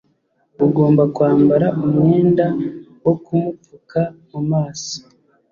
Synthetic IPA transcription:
uɡo̞ːmbakwaːmbaɾaʔumŋe̞ːnda | wo̞kumupukamumaːsi̥

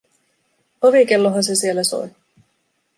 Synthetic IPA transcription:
oʋikelːoɦɑnse̞sielːæso̰j

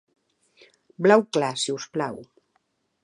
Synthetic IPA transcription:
blawklasiusplaw

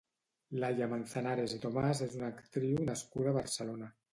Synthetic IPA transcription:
lajamanθanaɾezðet̪omazezunakt̪ɾiwnaskuðaβaɾselona

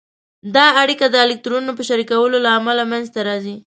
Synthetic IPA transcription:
d̪ɑaɽikad̪əɪlɪk̚t̪ɾonunopəʃaɾikawəlolaːmalamanzt̪aɾɑzi

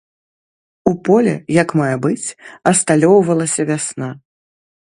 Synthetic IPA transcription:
upɔlʲɛ̰jɐkmajɛbɨt͡sʲɐst̪alʲɔwvɐlˠɐsʲɐvʲasna

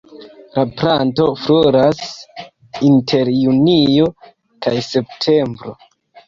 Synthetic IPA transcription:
lapɾanto̞floɾas | intʰe̞ɾjunijo̞ | kajse̞p̚tʰe̞mbɾo̞

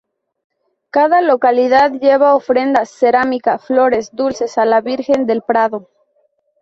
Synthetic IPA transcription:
kaðalo̞kaliðaðʝe̞βaofɾe̞nd̪asːeɾamikaflo̞ɾe̞zd̪ulse̞salaβiɾxe̞nd̪e̞lpɾaðo̞

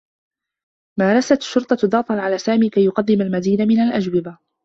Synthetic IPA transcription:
maːɾˤɑsat̪aʃːʊɾt̪ˤɑd̪ɑːt̪ˤɑnʕalaːsaːmiːkajːʊqɑd̪ːɪmalmad̪iːnamɪnalʔad͡ʒwɪba

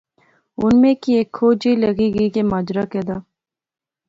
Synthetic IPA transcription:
ʊnmẽkieːkʰːoːd͡ʒiːləɡiːɡiːkemaːd͡ʒɾaːkeːd̪aː

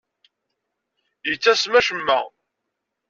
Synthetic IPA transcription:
jət͡sːæsmæʃəmːæ̰

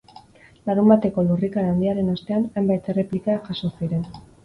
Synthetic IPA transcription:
laɣumbat̪e̞ko̞lurikaɾaːnd̪iaɾe̞nost̪e̞anajmbajt̪e̞re̞plikakaso̞siɾe̞n

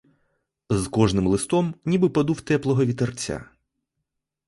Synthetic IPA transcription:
zkɔʐnɪmlˠɪst̪ɔmnʲibɨpɐd̪uwt̪ɛplˠɔɦɔʋʲid̪ɐrt͡sʲːa̰

